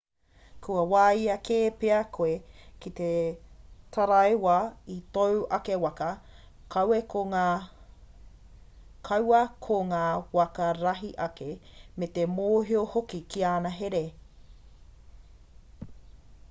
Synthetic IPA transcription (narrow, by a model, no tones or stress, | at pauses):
kʰuɐwaːjɐkʰeːpeɐkʰoekit̪e | t̪ʰɐɾɐewɐit̪owɐkewɐkɐ | kʰɐwekʰoŋaː | kʰɐwɐkʰoŋaːwɐkɐɾɐɦiʔɐkemet̪emoːɦiohokikiaːnɐɦeɾe